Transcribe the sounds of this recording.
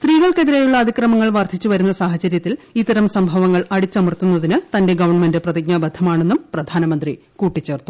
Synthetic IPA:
st̪riːɣɐɭkeðiɾejuɭːɐːd̪ʱikrɐmɐŋːɐɭʋɐrd̪ʰʱit͡ɕːuʋɐɾunːɐsaːɦɐt͡ɕɐɾjɐt̪ːilit̪ːɐɾɐmsɐmbʱɐʋɐŋːɐɭɐɽit͡ɕːɐmɐrt̪unːɐðinɨt̪ɐnde̞ɡɐʋɐrɳme̞ndɨprɐðiɡ̚ɲɐbɐd̪ʱʰɐmaːɳe̞nːumprɐd̪ʱaːnɐmɐnd̪ri | kuːʈːit͡ɕːe̞ːrt̪ːu̥

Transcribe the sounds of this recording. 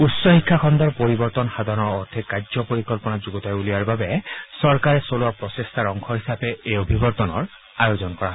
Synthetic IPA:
usːɔhikʰːaxɔnd̪aɹpoɹibɔɹt̪ɔnxad̪ʱanɔɹɔɹt̪ʰɛkazɔpoɹikɔlpɔnazuɡɔt̪ajulijaɹbabɛsɔɹkaɹɛsolʊapɹɔsestʰaɹɔŋkʰɔɦisapɛeobʱibɔɹt̪ɔnɔ̰ɹ | ajozɔnkɔɹaɦɔ

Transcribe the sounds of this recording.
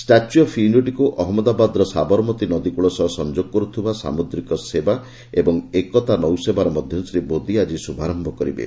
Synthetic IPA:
sʈat͡ʃuɔpʰinoʈikuʔɔɦɔmɔd̪abad̪ɔɾɔsabɔɾmɔt̪inɔd̪ikuɭɔsɔɦsɔnd͡ʒoɡɔkɔɾut̪ʰibasa̰mud̪ɾikɔseba | ebɔŋekɔt̪anɔwsebaɾɔmɔd̪ʱjɔnsɾibod̪iad͡ʒisubʱaɾɔmbʱɔkɔɾḭbḛ

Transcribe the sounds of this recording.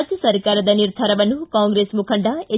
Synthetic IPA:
t̪jɐsɐɾkaɾɐd̪ɐniɾd̪ʱaɾɐʋɐnukaŋɡɾesmukʰɐɳɖae

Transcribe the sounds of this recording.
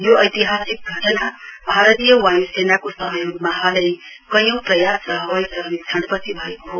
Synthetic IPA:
joʌjt̪iɦasik̚ɡʱʌʈʌnabʱaɾʌt̪ijʌwajusenakosʌɦʌjoɡmaɦʌlʌj | kʌjʌ̃w̃prʌjasʌɦʌwʌjsʌnt͡sʰʌɳɖpʌtibʱʌekoɦo

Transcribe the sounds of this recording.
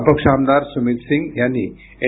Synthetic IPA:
pəkʂaːmd̪aɾsumit̪sĩŋɡjani | e

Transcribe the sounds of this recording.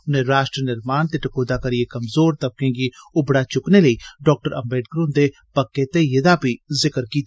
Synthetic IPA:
ʊnɦẽɾaːʃʈɾənɪɾmaːnt̪eʈɐkoːd̪akɐɾiekɐmzoːɾt̪ɐb̚kẽɡiʊbɽat͡ʃʊknelɐiɖɔːk̚ʈəɾɐ̰mbeːʈ̚kɾũnd̪e | pɐkːẽt̪ejɐd̪apizɪkəɾkiːt̪ː

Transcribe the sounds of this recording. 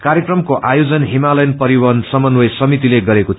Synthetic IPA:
kaɾjʌkrʌmkoʔajod͡zʌnɦimalʌjnpʌɾiwʌnsʌmʌnwʌjsʌmit̪ileɡʌɾekot̪ʰ

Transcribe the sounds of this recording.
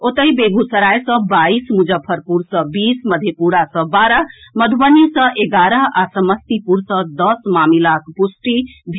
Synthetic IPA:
ot̪əjbeɡusəɾajsʌ̃baismud͡ʒəpʰəɾpuɾsʌ̃bisməd̪ʱjepuɾasʌ̃baɾəməd̪ʱbənisʌ̃ʔeɡaɾəasəməst̪ipuɾsʌ̃d̪ʌsmamilakpusʈibʱ

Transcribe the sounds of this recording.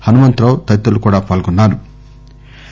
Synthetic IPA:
hɐnumɐnt̪ɾoːt̪ɐt̪ːɐlukuːɽaːpaːlɡɔnːaːɾu

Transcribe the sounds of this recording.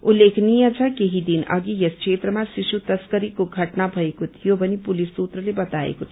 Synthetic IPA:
ulːeːkʰniat͡ʃʰakeɦid̪inɐ̰ɡijɐskʃeːt̪ɾəmãʃiʃut̪ɐskəɾikoɡʱɐʈnabʱɐikʊt̪jobɐnipʊlisːuːt̪ɾəlebɐt̪aːḛkut̪

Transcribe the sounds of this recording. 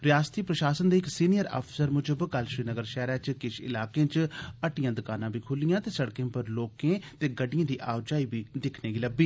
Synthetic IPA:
ɾɪjaːst̪iːpɾəʃaːsənd̪eːɪksiːnɪjəɾa̰ːpʰɪ̥səɾmʊd͡ʒəbkəlʃɾiːnəɡəɾʃɛːɾɛːt͡ʃkɪʃɪ̰laːkẽːt͡ʃəʈɪjãːd̪ʊkaːnãːbʱiːkʰʊlɪjãːt̪eːsəɽkẽːpəɾloːkẽːt̪eːɡəɖɪijãːd̪iːʔaːwd͡ʒaːiːbʱiːd̪ɪkʰneːɡiːləbiː

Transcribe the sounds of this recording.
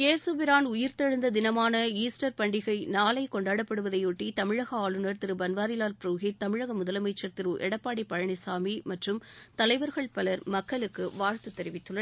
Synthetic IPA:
keːsɯbɪɾaːnʊjɪɾt̪ɐɻɯnd̪ɐd̪ɪnɐmaːnɐiːsʈɐɾpɐɳɖɪɣɐɪnaːlɐɪkɔɳɖaːɽɐpːɐɽɯʋɐðɐɪuʈːit̪ɐmɪɻɐɣɐaːɭɯnɐɾt̪ɪɾɯbɐnʋaːɾɪlaːlpɾuːɣit̪ɐmɪɻɐɣɐmʊðɐlɐmɐɪt͡ʃːɐɾt̪ɪɾɯʔɛɽɐpːaːɽipːɐɻɐɳɪsaːmimɐʈrɯmt̪ɐlɐɪʋɐɾɣɐɭpɐlɐɾmɐkːɐɭɯkːɯʋaːɾt̪ɯt̪ːɛɾɪʋɪt̪ːɯɭːɐ

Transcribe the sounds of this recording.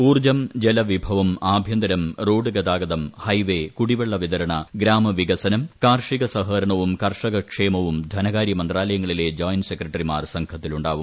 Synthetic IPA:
uːrd͡ʑɐmd͡ʑelɐʋibʱɐʋɐmaːbʱjɐnd̪ɐɾɐmroːɖɨɡɐd̪aːɡɐd̪ɐmhɐjʋe̞kuɽiʋeɭːɐʋid̪ɐɾɐɳɐɡɾaːmɐʋiɡɐsɐnɐmkaːrʂiɡɐsɐɦɐɾɐɳɐʋumkɐrʂɐɣɐkʂeːmɐʋumd̪ʱɐnɐɣaːɾjɐmɐnd̪raːlɐjɐŋːɐɭile̞ːd͡ʑoːjnsekːrɐʈːɐrimaːrsɐŋɡʰʱɐt̪ːiluɳɖaːʋum

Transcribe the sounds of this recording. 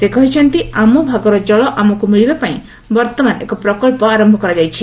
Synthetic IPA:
sekɔɦit͡ʃʰɔnt̪iamɔbʱaɡɔɾɔd͡ʒɔɭɔʔamɔkumiɭibepaĩ | bɔɾt̪ɔmanʔekɔpɾɔkɔlpɔaɾɔmbʱɔkɔɾad͡ʒajt͡ʃʰi

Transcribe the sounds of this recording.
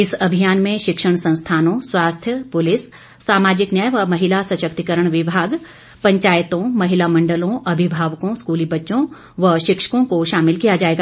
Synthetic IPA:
ɪsɐbʱijaːnmẽʃɪkʃəɽ̃sɐ̃nst̪ʰaːnõswaːst̪ʰjəpʊlɪsː | aːmaːd͡ʒɪknjəjʋɐmɐɦɪlasɐʃəkt̪ikəɾəɽ̃ʋɪbʱaːɡ | pɐ̃ɲt͡ʃaːjt̪õmɐɦɪlamɐ̃ɳɖəlõʔɐbʱɪbʱaːʋkõskuːlibɐtːʃõ | ʋɐʃɪkʃə̥kõkoʃaːmɪlkijad͡ʒaːeːɡa

